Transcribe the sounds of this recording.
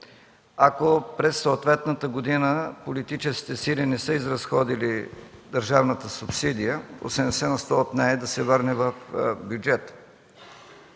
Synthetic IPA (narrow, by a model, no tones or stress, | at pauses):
akopɾɛsːoːt̪vɛt̪nət̪əɡod̪inəpolit̪it͡ʃɛskʲi̥t̪ɛsilinɛsəizɾɐsxɔd̪ilid̪ɐɾʒavnət̪əsʊpsid̪ijəo̰sɛnsɛnɐst̪ɔt̪nɛɛd̪ɐsɛvɤɾnɛvɐfbʲjud͡ʒɛt̪